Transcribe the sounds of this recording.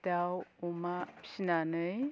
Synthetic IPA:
dawumapɕinanɯj

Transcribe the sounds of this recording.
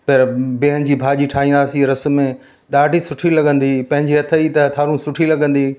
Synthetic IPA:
pɐɾbɪɦənd͡ʑiːbʱaːʄiʈʰaːɦĩːnd̪aːsiɾɐsʊ̆mẽ | ɗaːɖʱisʊʈʰilɐɡə̃nd̪ipɐ̃ɦɪ̃ɲd͡ʑiɐt̪ʰəit̪ɐɐt̪ʰaːɾũsʊʈʰilɐɡə̃nd̪iː

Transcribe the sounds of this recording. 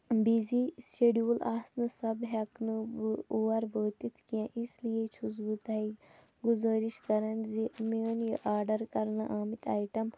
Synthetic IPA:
biːziseɖiolaːsnɨsɐbɦɐknɨuːɐɾʋəːt̪it̪ʰkijãʔislijet͡ʃʰuzbut̪aːi | ɡuzaːɾiʃkɐɾɐnzimiənjɐʔaːɾɖɐɾkɐɾnɐ̰ʔaːmit̪ʰaːjʈɐm

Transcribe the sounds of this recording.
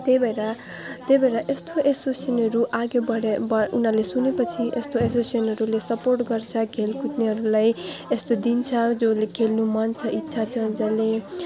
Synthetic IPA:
t̪ebʱeɾa | t̪ejbʱeɾaʔest̪ʰoʔesosenʌɾuʔaɡebʌɽebʌʔunalesunepʌt͡sʰiʔest̪oesosenɦʌɾulesʌporʈɡʌrt͡sʰʌkʰelkʰut̪niɦʌɾulajest̪od̪int͡sʰʌd͡zolekʰelnumant͡sʰʌʔitːsʰat͡sʰʌd͡zʌle

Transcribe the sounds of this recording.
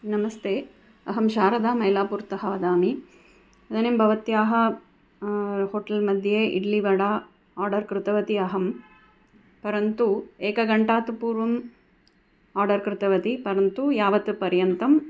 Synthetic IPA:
nɐmɐst̪ʰeː | ɐɦɐmʃaːɾɐd̪aːmɐjlaːpuːɾt̪ɐɦɐʋɐd̪aːmi | ɐd̪ɐneːmbʱɐʋɐt̪jaːɦɐ | hoːʈɐlmɐd̪ʱjeːʔḭɽliʋɐɽa | aːɾɖɐɾkɾɪt̪ɐʋɐt̪iɐɦɐm | pɐɾɐnt̪ueːkɐɡɐɳʈaːt̪upuːɾʋɐm | aːɾɖɐɾkɾɪt̪ɐʋɐt̪ipɐɾɐnt̪ujaːʋɐt̪pɐɾjɐnt̪ɐm

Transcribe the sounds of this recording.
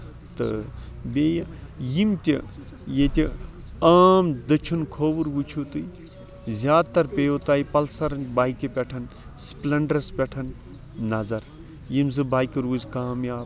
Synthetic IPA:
t̪ɨ̰beːjɐjimt̪ʲi | jet̪ʲi | aːmd̪ɐt͡ʃʰunkʰoːʋuɾʋut͡ʃʰut̪ɨj | zʲjaːd̪t̪ɐɾpʲejot̪aːjipɐlsɐɾnbaːjkipʲeʈʰɐn | splɐɳɖɾɐspʲeʈʰɐn | nːɐzɐɾ | jimzɨbaːjkiɾuːzʲkaːmjaːb

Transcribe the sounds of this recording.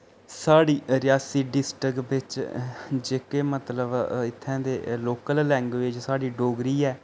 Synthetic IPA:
saːɽiːɾɪjaːsiːɖɪsʈɾəkbɪt͡ʃ | d͡ʒeːkeːmət̪ləbɪt̪ʰːɛ̃ːd̪eːloːkəllɛ̃ːŋɡʋeːd͡ʒsaːɽiːɖoːɡɾiːɛː

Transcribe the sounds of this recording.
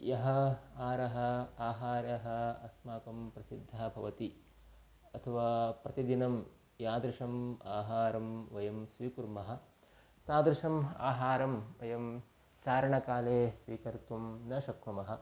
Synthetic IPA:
jɐɦɐaːɾɐɦɐ̆aːɦaːɾjɐɦɐ̆ɐsmaːkɐmpɾɐsid̪ʱːabʱɐʋɐt̪i | ɐt̪ʰɐʋaːpɾɐt̪id̪inɐm | jaːd̪ɾɪʂɐmaːɦaːɾɐmʋɐjɐmsʋiːkuɾmɐɦɐ̆ | t̪aːd̪ɾɪʂɐma̰ːɦaːɾɐmʋɐjɐm | t͡ʃaːɾɐɳɐkaːleːsʋiːkɐɾt̪umnɐːʃɐkɾumɐɦɐ̆

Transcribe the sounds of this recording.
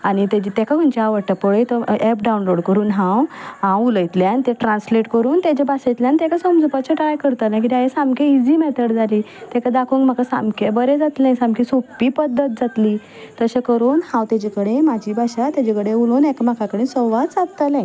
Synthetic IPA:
añit̪ed͡ʑit̪ekʰauɲt͡ɕaaʋəɽʈapɔɭəjt̪ɔɛp̚ɖaunloɽkəɾuːnɦãwɦãwuləjt̪ljanit̪ẽʈɾãnsleʈkəɾuːnt̪jat͡ɕebasəjt̪ljanit̪ekasəmd͡zupat͡ɕeʈɾajkəɾt̪ənak̬it̪iajesãmkeid͡ziːmɛt̪ʰəɽd͡zaliː | t̪ekʰad̪akʰuŋkm̤akasa̰mkʰebəɾẽd͡zat̪lãsãmkisopːipəd̪ːət̪̚d͡zat̪liː | t̪əɕekəɾuːnhãwt̪ad͡ʑekəɽemad͡ʑiːbʱaɕat̪jad͡ʑekəɽeuloːnɛkam̤akʰakəɽẽsɔʋat̪t͡sat̪̚t̪alã

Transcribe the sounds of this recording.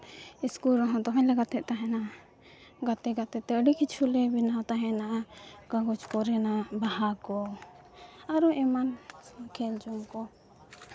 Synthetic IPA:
iskulɾɔɦɔ̃t̪ɔɦɔ̃ɲlaɡat̪ɛʔ̚t̪aɦɛna | ɡat̪ɛɡat̪ɛt̪ːɛəɖikit͡ʃʰulɛbinat̪aɦɛ̃naʔaɡaɡɔt͡ʃkɔɾɛnabahakɔ | aɾɔʔɛmankʰɛld͡ʒɔmkɔ

